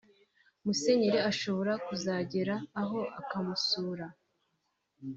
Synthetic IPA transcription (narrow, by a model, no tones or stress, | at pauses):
muse̞ɲeɾeaʃo̞βo̞ɾakuzaɟeɾaːɦo̞ʔa̰kamusuːɾa